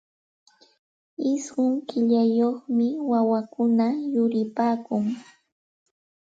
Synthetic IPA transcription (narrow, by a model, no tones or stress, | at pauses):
ɪsɢʊŋkɪʎajoχmɪwawakʊnajʊɾɪpaːkʊŋ